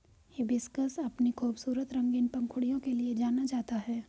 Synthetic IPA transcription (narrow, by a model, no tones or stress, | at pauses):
jebɪskəsɐpnikʰuːbsuːɾət̪ɾɐ̃ŋɡɪnpɐ̃ŋkʰʊɽijõkelied͡ʒaːnat͡ʃaːɦt̪aɦɛː